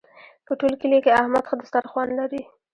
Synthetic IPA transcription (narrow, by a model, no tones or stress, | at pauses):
pəʈolkilekeahmad̪xad̪əst̪aɾxwanlaɾi